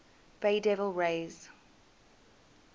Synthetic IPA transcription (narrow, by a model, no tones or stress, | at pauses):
b̥eɪdɛvəlˠɹeɪz̥